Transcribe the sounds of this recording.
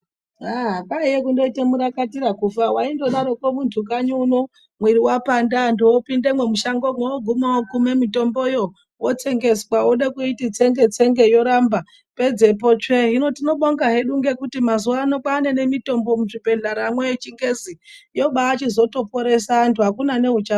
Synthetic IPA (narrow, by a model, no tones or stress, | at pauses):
aɦaɓaijekundo̞itemuɾakatiɾakufawaindo̞ɗaɾo̞kwomuntʰukaɲuno | mwiɾiwapandandoopindemwemuʃaŋɡo̞mwooɡʱumawokumemito̞mbo̞jo | wot͡se̞ŋɡe̞swauɗekuitit͡se̞ŋɡe̞t͡seŋɡe̞jo̞ɾamba | pe̞d͡ze̞po̞t͡ʃeɦino̞tino̞ɓoŋɡaɦe̞ɗuŋɡe̞kutimazuwaːno̞ɓaːne̞ne̞mito̞mbo̞muʐipe̞ɮaɾamwet͡ʃiŋɡe̞zijo̞ɓaːt͡ʃizo̞to̞po̞ɾe̞saːntʰuakunane̞ɦut͡ʃa